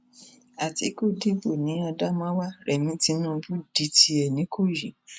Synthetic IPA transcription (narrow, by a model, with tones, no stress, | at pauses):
a˨ti˨˦ko˦˨di˦bo˦˨nĩ˨˦a˧da˦mã˦wa˦ɾɛ˨nĩ˨˦ti˨˦nũ˦˧bu˦di˨˧ti˧ɛ˨nĩ˨˦kʰo˦˨ji˨